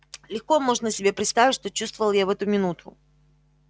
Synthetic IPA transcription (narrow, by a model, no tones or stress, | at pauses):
lʲɪxko̞mo̞ʐnəsʲɪbʲe̞pɾʲɪt̪st̪avʲɪtʲʂt̪o̞t͡ɕust̪vəvəlˠjavɛt̪ʊmʲɪnut̪ʰʊ̰